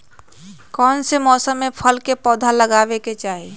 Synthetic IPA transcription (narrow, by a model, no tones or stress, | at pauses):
kɔːnsemɔːsəmːẽpʰəlkepɔːd̪ʱaləɡaːʋeket͡ʃaːɦi